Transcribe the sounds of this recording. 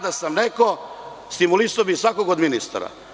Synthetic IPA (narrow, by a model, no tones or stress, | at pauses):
d̪asamneko̞ | st̪imulisaobisʋakoɡod̪minist̪a̰ɾa̰